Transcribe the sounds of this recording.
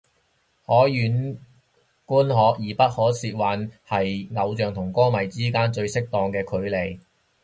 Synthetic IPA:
hɔː˨˥jyː˨˥n | kuː˥nɦɔː˨˧k̚jiː˨˩pɐ˥t̚hɔː˨˥siː˧t̚waː˨˧nhɐ˨jŋɐ˨˧wt͡ʃœː˨ŋt̪ʰʊ˨˩ŋkɔː˥mɐ˨˩jt͡siː˥kaː˥nt͡ʃɵ˧ɥsɪ˥k̚t̪ɔː˧ŋkɛː˧kʰɵ˨˥ɥle˨˩j

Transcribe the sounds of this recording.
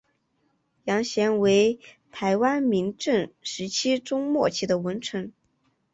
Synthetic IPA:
jɑ˧˥ŋɕjɛ˧˥nwe˧˥ɪ | t̪ʰa˧˥ɪwa˥nmi˧˥ŋʈ͡ʂɤ˥˩ŋʂɻ̩˧˥t͡ɕʰi˥ʈ͡ʂʊ˥ŋmwɔ˥˩t͡ɕʰi˧˥˩d̪ə˩wə˧˥nʈ͡ʂʰɤ˧˥ŋ

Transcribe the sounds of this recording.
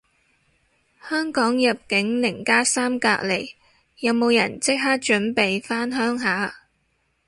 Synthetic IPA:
hœː˥ŋkɔː˨˥ŋjɐ˨p̚kɪ˨˥ŋlɪ˨˩ŋkaː˥saː˥mkaː˧k̚le˨˩j | jɐ˨˧wmo˨˧wjɐ̰˨˩nt͡sɪ˥k̚ɦaː˥k̚t͡ʃɵ˨˥npe˨jfaː˥nɦœː˥ŋɦaː˨˥

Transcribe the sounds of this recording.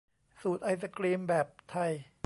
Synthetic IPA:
suː˨˩t̪̚ʔa˧js̬a˧kliː˧mbɛː˨˩p̚t̪ʰa˧j

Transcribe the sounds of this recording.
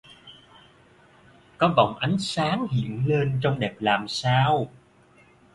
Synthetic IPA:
kɔ˨˦va˨˩wŋ͡mʔa˨˦jŋ̟saː˨˦ŋhḭ˧˨ənle˧nt͡ɕɔ˧wŋ͡mɗɛː˨˩p̚laː˨˩msaː˧w

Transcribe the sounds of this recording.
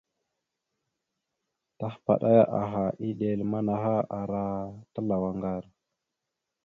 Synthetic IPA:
ta˦hpa̰˨ɗa˦ja˦ʔa˨ɦa˨ʔi˦ɗe˨lma˦na˨ɦa˦ʔa˨ɾa˦ta˦la˨wa˨ŋɡa˦˨ɾ

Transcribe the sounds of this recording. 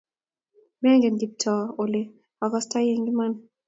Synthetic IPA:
mɛ˦ŋɡɛ˨nɡi˨p̚tʰɔ˨o˨le˦ | a˨ɡɔ˦sta˦je˦ŋɡi˦ma˦n

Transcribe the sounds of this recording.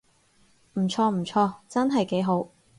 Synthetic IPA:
m̩˨˩t͡sʰɔː˧m̩˨˩t͡sʰɔː˧t͡sɐ˥nɦɐ˨jke˨˥jɦo˨˥w

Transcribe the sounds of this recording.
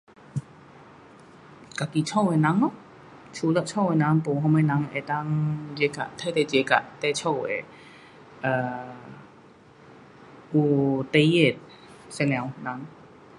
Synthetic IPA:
ka˨ki˨t͡ɕʰɔ˥˨wɛ˨na˨˦ŋlɔ˧˨ | t͡ʃʰu˧˦lɔ˧˨ʔt͡ʃʰɔ˥˩˨wɛ˨na˨˦ŋpo˨ɦɔ˧˨ma˧˦na˨˧˦ŋʔɛ˧˨t̪a˧˥ŋd͡ʒe˨˧˦ka̰˧˨ʔt̪ʰa˧˨jt̪ɛ˧˩t͡ɕe˨˦ka̰˧˨ʔt̪ɛ˧˨t͡ɕʰɔ˥˧˩wɛ̰˨ | ʔəː˧˩ | ʔu˧˩t̪e˧˦je˥˧˩t̪̚ | sɛ˧nɛ˨˧˦wna˨˧˦ŋ

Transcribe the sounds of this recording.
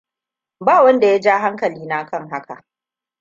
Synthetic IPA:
baː˦˨wɐ˦nda˨ja˦d͡ʒaː˦ɦa˦ŋkɐ˨liː˦naː˦kɐ˦ŋɦa˦ka̰˨ʔ

